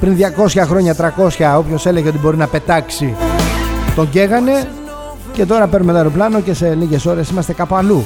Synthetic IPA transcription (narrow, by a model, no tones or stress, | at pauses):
pɾinðʝɐko̞sçɐxɾo̞ɲɐt̪ɾɐko̞sçɐo̞pço̞se̞le̞ʝeo̞t̪ibo̞ɾinɐpe̞t̪ɐksi | t̪o̞ɲɟe̞ɣɐne̞ | ce̞t̪o̞ɾɐpeɾnume̞t̪ɐɾoplɐno̞ce̞se̞liʝe̞so̞ɾe̞simɐst̪ekɐpoɐlu